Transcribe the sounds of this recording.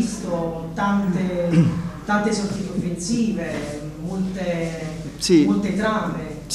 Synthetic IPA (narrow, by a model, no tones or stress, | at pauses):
st̪ot̪ant̪e | t̪ant̪esot̪ːik̪ofːensiːve | molt̪e | simolt̪et̪ɾave